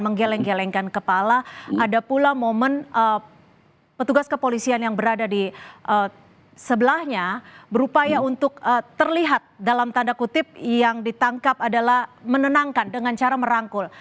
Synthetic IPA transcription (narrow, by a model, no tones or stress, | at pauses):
məŋɡelɛŋɡelɛŋkankəpalaʔadapulamomənə | pət̪uɡaskəpolisianjaŋbəɾadadiʔə | səbəlahɲabəɾupajaunt̪ʊk̚ət̪ərliɦat̪̚dalamt̪andakut̪ɪp̚jaŋdit̪aŋkap̚adalahmənənaŋkandəŋant͡ʃaɾaməɾaŋkʊl